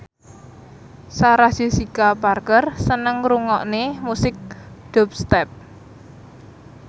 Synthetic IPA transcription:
saɾasi̤sikaparkərsənəŋɾuŋɔʔnemusɪk̚ɖ̥ɔp̚st̪ɛp̚

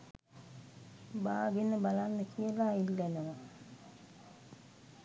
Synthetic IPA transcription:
baːɡenəbalanːəkʰijəlailːɛnəʋa

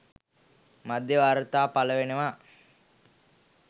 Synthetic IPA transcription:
mad̪jəʋaːɾət̪aːpaləʋenəʋa

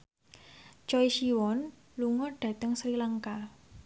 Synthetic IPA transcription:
t͡ʃɔiʃiwɔn | luŋɔɖ̥a̤t̪əŋsɾilaŋka

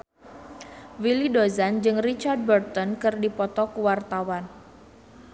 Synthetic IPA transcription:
wilidozand͡ʒɨŋrit͡ʃard̪̚bərt̪ɔnkɨrdipɔt̪ɔkuwart̪awan

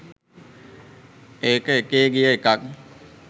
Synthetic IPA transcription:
eːkəekeːɡijaekak̚

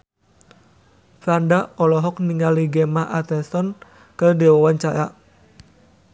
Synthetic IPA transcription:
fɾandaɔlɔɦɔk̚niŋaliɡemaɦʔat̪ɛst̪ɔn | kədewawant͡ʃaʔa

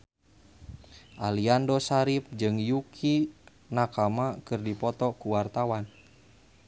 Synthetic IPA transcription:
ʔaliandɔsaɾip̚d͡ʒɨŋjukʰi | nakamakɨrdipɔt̪ɔkuwart̪awan

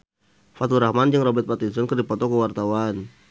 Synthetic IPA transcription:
fat̪uɾahmand͡ʒəŋrɔbɛt̪̚pat̪insɔnkərdipɔt̪ɔkəwart̪awan

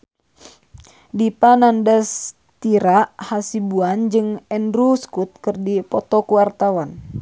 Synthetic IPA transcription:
dipanandas | t̪iɾaʔhasibuand͡ʒɨŋɛnɾuskut̪̚kɨrdipɔt̪ɔkuwart̪awan

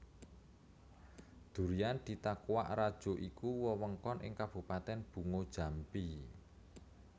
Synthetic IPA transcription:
d̪̥ṳɾiand̪̥i̤t̪akuwa̰ʔrad̥ʒ̥o̤ʔikuwɔwəŋkɔnʔɪ̰ŋkab̥ṳpat̪ɛnb̥ṳŋod̥ʒ̥a̤mpi

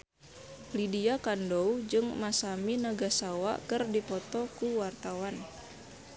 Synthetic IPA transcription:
lidiakandoud͡ʒɨŋmasaminaɡasawa̰kɨrdipɔt̪ɔkuwart̪awan

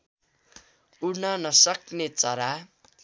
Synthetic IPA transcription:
uɽnʌnʌsʌknet͡sʌɾa

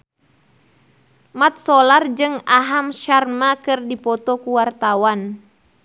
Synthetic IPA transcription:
mat̪̚sɔlard͡ʒɨŋaɦamʃarmakɨrdipɔt̪ɔkuwart̪awan

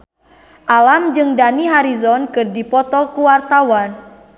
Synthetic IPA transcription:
ʔalamd͡ʒɨŋdaniɦaɾizɔnkɨrdipɔt̪ɔkuwart̪awan

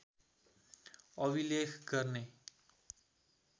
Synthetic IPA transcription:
ʌbilekʰɡʌrne

